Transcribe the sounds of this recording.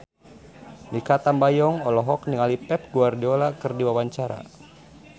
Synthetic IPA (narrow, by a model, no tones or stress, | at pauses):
nikat̪ambajɔŋɔlɔɦɔkniŋalipɛp̚ɡuardiɔlakɨrdiwawaɲt͡ʃaɾa̰